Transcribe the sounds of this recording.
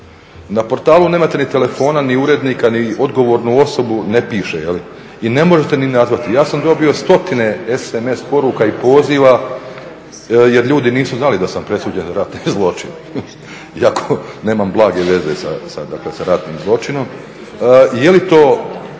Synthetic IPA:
napo̞ɾt̪aːlˠuneːmat̪e̞nit̪e̞le̞fo̞ːnaniuɾe̞d̪niːkanio̞d̪ɡo̞ʋo̞ːɾnuo̞so̞bune̞piːʃejeli | ine̞mo̞ʒet̪e̞ninazʋat̪ijaːsamd̪o̞bio̞st̪o̞t̪ine̞eseme̞spo̞ɾukaipo̞ːziːʋa | je̞ɾʎuːd̪iniːsuznalid̪asampɾe̞suːd͡ʑenzaɾat̪nizlˠo̞t͡ʃin | iakʰoneːmamblˠaːɡe̞ʋe̞ze̞sa̰sad̪aklesaɾat̪niːmzlˠo̞t͡ʃino̞m | jelit̪o̞ː

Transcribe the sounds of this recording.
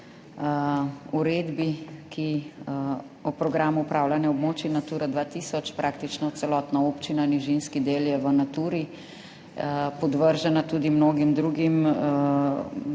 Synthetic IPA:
uɾeːd̪biki | ɔpɾɔɡɾaːmuːpɾaːwlanjɛɔbmoːt͡ʃinat̪uːɾad̪ʋat̪iːsɔt͡ʃpɾʔaːkt̪it͡ʃnɔt̪sɛlɔːt̪naopt͡ʃinaniʒinskid̪eːljɛʋənat̪uːɾi | pɔd̪ʋəɾʒanat̪ud̪imnoːɡimd̪ɾuːɡim

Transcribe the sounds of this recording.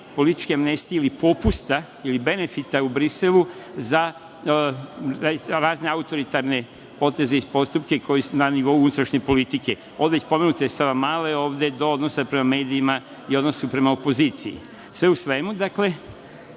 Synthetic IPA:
po̞lit̪i̥t͡ʃkeamne̞st̪ijeilipo̞pust̪a | ilibe̞ne̞fit̪aubɾiseluza | ɾaːzneaut̪o̞ɾit̪aɾne̞ | po̞t̪e̞zeispo̞st̪upke̞kʰo̞jisnaniʋo̞uunut̪ɾaʃɲe̞po̞lit̪ike̞ | od̪eespo̞me̞nut̪esaʋamaːle̞o̞ːʋd̪e̞d̪o̞o̞d̪no̞sapɾe̞mame̞ːd̪iːma | io̞d̪nosupɾe̞maopo̞ziːt̪siḭ | sʋe̞usʋe̞mud̪akle̞

